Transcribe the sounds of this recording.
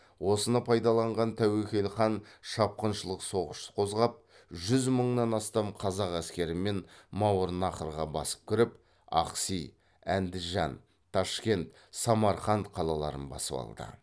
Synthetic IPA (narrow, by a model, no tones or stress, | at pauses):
wo̞sənɑpʰɑjd̪ɑlˠɑɴʁɑnt̪ʰæwekʲe̞lχɑnʃɑp̚qənʃəlˠəqso̞ʁəʃqʰo̞zʁɑp̚ | ʒʏzməɴnɑnɑst̪ɑmqʰɑzɑqæskʲe̞ɾɪme̞nmɑwəɾnɑqəɾʁɑbɑ̰sə̥p̚kʲʰɪɾɪp | ɑ̰qsij | ænd̪ɪʒɑn | t̪ʰːɑʃkʲe̞nt̪ | sɑmɑɾχɑnt̪qʰɑlˠɑlˠɑ̰ɾə̰nbɑ̰səpɑ̰lˠd̪ə̰